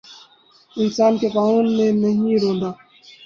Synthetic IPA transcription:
ɪnsaːnkekaːɦuːnmẽnɐɦĩɾõːnd̪aː

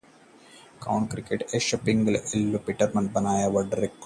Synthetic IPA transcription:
kɐwɳkɾikːeʈeʃɐpːiŋɡɐlelːupiʈːɐɾmɐnbɐnaːjɐʋɐɖɐɾek̚ː

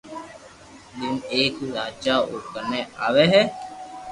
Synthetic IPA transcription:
d̪ɪneːkɾaːt͡ʃaːʊkəneːaːʋeːɦɛː

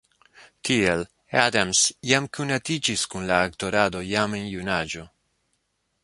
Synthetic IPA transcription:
t̪ʰiel | adamsjamkʰunat̪id͡ʒiskunlaːkt̪oɾadojamenjunad͡ʒo

